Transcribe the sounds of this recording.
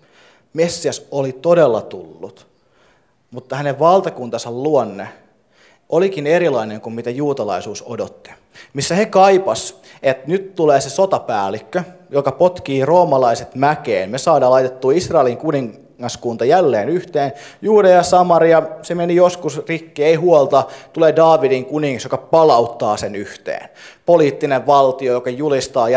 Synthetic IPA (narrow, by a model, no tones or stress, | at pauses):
mesːiɑsolit̪odelːɑt̪ulːut̪ | mut̪ːɑhæneʋʋɑlt̪ɑkunt̪ɑsɑlluonːe | ʔolikineɾilɑineŋkummit̪æjuːt̪ɑlɑ̰isuːsodot̪ːi̥ | misːæhekɑipɑs | et̪nyt̪t̪uleːsesot̪ɑpæːlikːøjokɑpot̪kiːroːmɑlɑiset̪mækḛːnmesɑːdɑːlɑijt̪et̪ːuːisrɑeliŋkuniŋː | ɑskunt̪ɑjælːeːnyht̪eːnjuːdejɑsɑmɑɾiɑsemenijoskusrikːiːeihuolt̪ɑt̪uleːdɑːʋidiŋkuniŋːɑsjokɑpɑlɑut̪ːɑːsenyht̪ḛːnpoliːt̪ːineʋʋɑlt̪iojokɑjulist̪ɑːjɑ